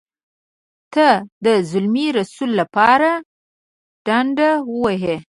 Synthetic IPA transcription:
t̪əd̪əzʊlmiɾasulːapɑɾa | ɖ̥aɳɖawəwaɦe

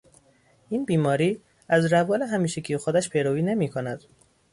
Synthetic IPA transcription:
iːnbiːmɒːɾiː | æzɾævɒːleɦæmiːʃekʰijexod̪æʃpʰejɾoiːne̞miːkʰonæd̪̥

